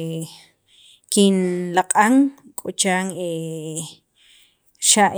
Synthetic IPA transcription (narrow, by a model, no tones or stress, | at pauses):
kinlaqʼaŋ | kʼot͡ʃaːŋe | ʃaʔ